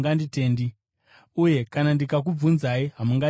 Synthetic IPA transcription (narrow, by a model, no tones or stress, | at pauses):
ŋɡandite̞ːndi | uje̞kanandikak̬ub͡vunzaiɦamuŋɡa